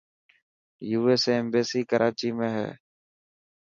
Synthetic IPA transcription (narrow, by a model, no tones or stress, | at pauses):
juːeːseːeːmbeːsiːkəɾʔaːt͡ʃiːmẽːɦɛ̰ː